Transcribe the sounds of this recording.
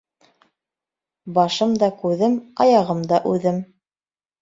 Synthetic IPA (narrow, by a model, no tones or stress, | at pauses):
bɑʃɤmd̪ɑkʉðɘmɑjɑʁɤmd̪ɑʔʉðɘm